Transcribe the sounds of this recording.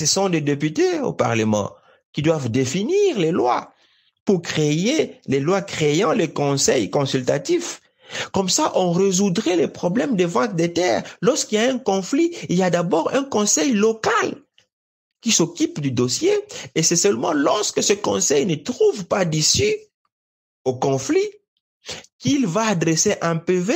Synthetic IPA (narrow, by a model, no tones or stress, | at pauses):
səsɔ̃d̪ed̪epyt̪eo̰pa̰ʁləmɑ̰̃ | kʲid̪wavd̪efiniʁlelwa̰ | puʁkχejelelwakχejɑ̃lekɔ̃sɛjkɔ̃sylt̪a̰t̪if | kɔmsaʔɔ̃ʁezud̪ʁɛlepχɔblɛmd̪əvɑ̃t̪̚d̪et̪ɛːʁlɔʁskilijaɛ̃kɔ̃fliiljad̪abɔʁɛ̃kɔ̃sɛjlɔkal | kisokypd̪yd̪ɔsjeesɛsɛlmɑ̰̃lɔʁskəsəkɔ̰̃sɛjnət̪χuvpad̪isy | okɔ̃fli | kilvaːd̪ʁeseʔɛ̃pøve